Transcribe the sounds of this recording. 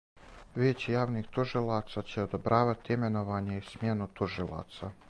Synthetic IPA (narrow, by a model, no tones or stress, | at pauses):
ʋjet͡ɕijaːʋnixt̪uʒilˠat̪sat͡ɕe̞od̪obɾaːʋat̪iime̞no̞ʋaːɲe̞ismjenut̪uʒilˠa̰ːt̪sa